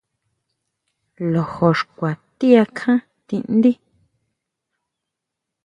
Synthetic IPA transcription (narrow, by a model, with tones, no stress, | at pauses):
lo˨ho˨ʂkʷa˨t̪i˦a˧kʰã˦ | t̪ĩ˧ʔn˦d̪i˦